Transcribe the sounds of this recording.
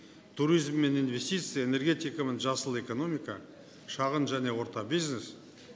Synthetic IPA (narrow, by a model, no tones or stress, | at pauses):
t̪ʰuɾijzmːe̞ninve̞st̪it̪sɨjaene̞ɾɡʲe̞t̪ijkamenʒɑsəlˠe̞ko̞no̞mijka | ʃɑʁənʒæne̞wo̞ɾt̪ɑbijznes